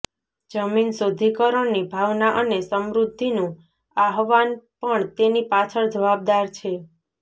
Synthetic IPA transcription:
d͡ʒəminsod̪ʱikəɾənibʱaʋnaʔənesəmɾud̪ʱːinũ | aɦʋanpəɳt̪enipat͡ʃʰəɭd͡ʒəʋab̚d̪aɾt͡ʃʰe

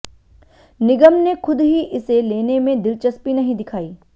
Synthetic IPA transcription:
nɪɡəmnexʊd̪ɦiʔɪseleːnemẽd̪ɪlt͡ʃəspinɐɦĩd̪ɪkʰaːiː

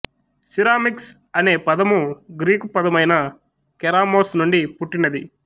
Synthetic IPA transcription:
siɾaːmiks | ɐne̞ːpɐd̪ɐmuɡɾiːkupɐd̪ɐmɐjnɐ | kɛɾaːmoːsnuɳɖipuʈːinɐd̪i

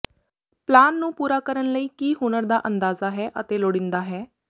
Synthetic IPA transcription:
plaːnːũːpuːɾaːkəɾənləiːkiːɦʊnəɾd̪aːʔənd̪aːzaːɦɛːʔət̪eːloːɽɪ̃nd̪aːɦɛː

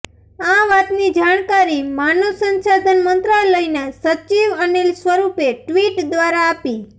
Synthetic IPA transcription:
aʋat̪nid͡ʒaɳkaɾimanusənsad̪ʱənmənt̪ɾaelːəinesət͡ʃiʋənelsʋəɾupeʈʋiʈd̪ʋaɾaːpi

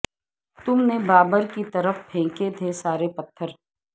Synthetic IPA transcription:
t̪ʊmnebaːbəɾkit̪ɐɾəfpʰẽːket̪ʰesaːɾepɐt̪ʰːəɾ

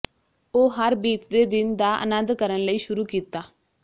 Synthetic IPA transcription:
oːɦəɾbiːt̪d̪eːd̪ɪnd̪aːʔə̰nə̃nd̪kəɾənləiːʃʊɾuːkiːt̪aː

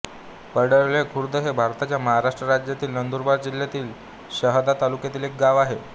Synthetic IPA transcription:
pəɽəɭlekʰuɾd̪əɦebʱaɾt̪at͡ɕjaməɦaɾaʂʈɾəɾad͡ʑjat̪iːlnənd̪uɾbaɾd͡ʑil̤jat̪iːl | ɕəɦd̪at̪alukjat̪iːlek̚ɡaʋaɦe

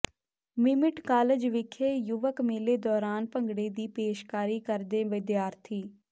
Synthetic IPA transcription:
mɪmɪʈkaːləd͡ʒʋɪkʰeːjʊʋəkmeleːd̪ɔːɾaːnpəŋɡɽeːd̪iːpeːʃkaːɾiːkəɾd̪eːʋɪd̪jaːɾt̪ʰiː

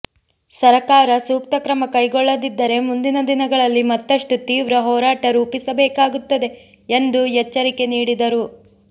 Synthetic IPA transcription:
sɐɾɐkaːɾɐsuːkt̪ɐkɾɐmɐkɐjɡɔɭːɐd̪id̪ːɐɾe̞mund̪inɐd̪inɐɡɐɭɐlːimɐt̪ːɐʂʈut̪iːʋɾɐɦɔːɾaːʈɐɾuːpisɐbɛːkaːɡut̪ːɐd̪e̞ | end̪ujɛt͡ʃːɐɾike̞niːɽid̪ɐɾu

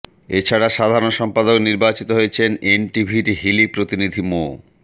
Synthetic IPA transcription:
et͡ɕʰaɽaʃad̪ʱaɾonʃɔmpad̪okniɾbat͡ɕit̪oɦojet͡ɕʰenenʈibʱiʈiɦilipɾot̪inid̪ʱimo̰

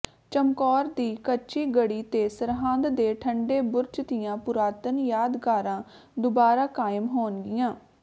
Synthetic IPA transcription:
t͡ʃəmkɔːɾd̪iːkət͡ʃiːɡəɽiːt̪eːsəɾɦãːnd̪d̪eːʈʰəɳɖeːbʊɾt͡ʃt̪ɪjãːpʊɾaːt̪ənjaːd̪kaːɾãː | d̪ʊbaːɾaːkaːɪəmɦoːnɡɪjãː

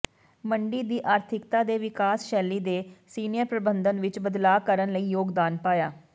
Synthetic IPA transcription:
məɳɖiːd̪iːʔaːɾt̪ʰɪkt̪aːd̪eːʋɪkaːsʃɛːlːiːd̪eːsiːnɪjəɾpɾəbənd̪ənʋɪt͡ʃbəd̪laːkəɾənləiːjoːɡd̪aːnpaːjaː

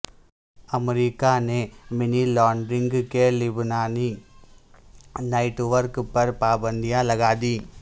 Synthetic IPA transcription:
ɐmɛɾikːaːnemɪnilaːɳɖɾɪŋɡkeːlɪbɯnaːni | nɐɪʈʋɐɾkpɐɾpaːbɐnd̪ijaːlɐɣaːd̪i

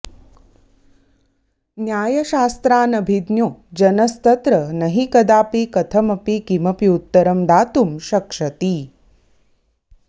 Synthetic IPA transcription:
njaːjɐʃaːst̪ɾaːnɐbʱid̪njoːd͡ʒɐnɐst̪ɐt̪ɾɐnɐɦikɐd̪aːpikɐt̪ʰɐmɐpikimɐpiut̪ːɐɾɐmd̪aːt̪umʃɐkʂɐt̪i

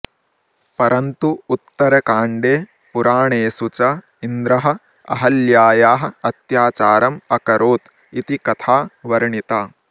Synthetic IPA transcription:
pɐɾʔɐnt̪uːt̪ːɐɾɐkaːɳɖeː | puɾaːɳeːsut͡ʃɐ | ind̪ɾɐɦɐ̆ | ɐ̰ɦɐljaːjaːɦɐ̆ɐt̪jaːt͡ʃaːɾɐmɐkɐɾoːt̪ | it̪ikɐt̪ʰaːʋɐɾɐɳit̪aː

